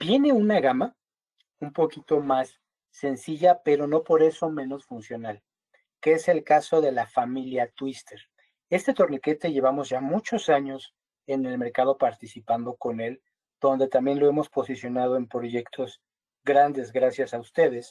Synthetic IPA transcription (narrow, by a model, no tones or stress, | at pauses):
b̥je̞ne̞unaɣama | umpo̞kit̪o̞masː | e̞nsiʝape̞ɾo̞no̞po̞ɾe̞so̞mẽ̞no̞sfunsjo̞nal | keese̞lkaso̞ðe̞lafamiljat̪wist̪e̞ɾ | e̞st̪et̪o̞ɾnike̞t̪e̞ʝe̞βamo̞zʝamut͡ʃo̞saɲo̞s | e̞ne̞lme̞ɾkað̞o̞paɾt̪isipand̪o̞ko̞ne̞l | d̪̥o̞nd̪e̞t̪ambje̞nlo̞e̞mo̞spo̞sisjo̞nað̞o̞e̞mpɾo̞ʝe̞kt̪ʰo̞z | ɡɾand̪e̞zɣɾasjasaust̪e̞ð̞e̞s